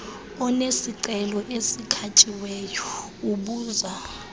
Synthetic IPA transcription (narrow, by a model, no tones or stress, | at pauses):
ɔnesiǀɛlɔʔesikʰat͡ʃʼiwɛjɔ | uɓuːza